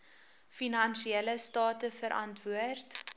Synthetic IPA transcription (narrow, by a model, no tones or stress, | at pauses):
finɐnsiɛləstɑːtəfəɾʔɐntvuərt